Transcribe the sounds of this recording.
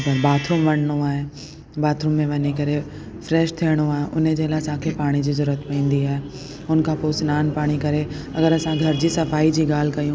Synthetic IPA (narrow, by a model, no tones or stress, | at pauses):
pɐɾbaːt̪ʰɾuːmʋɐɽɽ̃oaːɦe | baːt̪ʰɾuːmːẽʋɐɲekɐɾe | fɾɛːʃt̪ʰijəɽ̃oaːɦeʔʊned͡ʑeːlasãːkʰepaːɽ̃id͡ʑiːzʊɾət̪pɐĩːn̆d̪iaːɦe | ʊnkʰãpoːsɪnaːnpaːɽ̃ikɐɾeɐɡəɾɐsãɡʱɐɾd͡ʑiːsɐfaːid͡ʑiːɡaːl̤kɐijũ